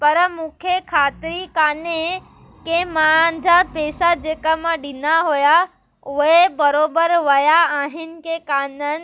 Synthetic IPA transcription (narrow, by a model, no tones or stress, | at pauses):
pɐɾmũːkʰekʰaːt̪ɪɾikaːne | kemãnd̪ʱapeːsad͡ʑeːkəmãɗɪnaɦoja | ʊɦebɐɾoːbəɾʋɐjaaːɦɪnɪ̆kʰekaːnənɪ̆